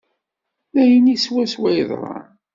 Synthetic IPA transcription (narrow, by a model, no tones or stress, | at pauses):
læjəniswæswæjðˤɾˤɑ̰n